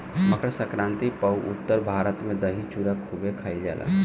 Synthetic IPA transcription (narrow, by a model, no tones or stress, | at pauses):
məkɾsəkɾãːnt̪ipəuʔʊ̰t̪ːəɾbʱaːɾət̪mẽd̪əɦit͡ʃuɾakʰubekʰaild͡ʒa̰ːlʔa̰